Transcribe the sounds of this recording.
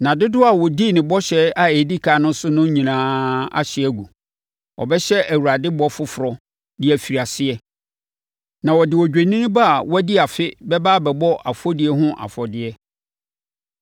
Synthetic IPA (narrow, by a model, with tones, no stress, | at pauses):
nã˨dɪ˦dʊ˦a˨wɔ˨di˦˨nɪ̃˨bɔ˦ɕɛ˦a˦e˨di˦kʰaː˨˦nʊ̃˦sʊ˦nʊ̃˦ɲĩ˨nãː˦a̰˦˨ɕɪ˦æ˦˨ɡu˨ | ɔ̰˨bɛ˦ɕɛ˦æ˨wu˨ɾa˨dɪ˦bɔ˦fʊ˦fʊ˨ɾɔ˨ | dɪ˦æ˨fi˨ɾi˨a˨sɪ˦ɛ˦ | nã˨wɔ˨dɪ˨wɔ˨d͡ʑᶣe˨nĩ˦ba˦a˨wɔ˦æ˦di˦a˨fɪ˦bɛ˦baː˦bɛ˨bɔ˦ʔa˨fɔ˦dɪ˨ɛ˦ɦʊ̃˦ʔa̰˨fɔ˨dɪ˦ɛ˦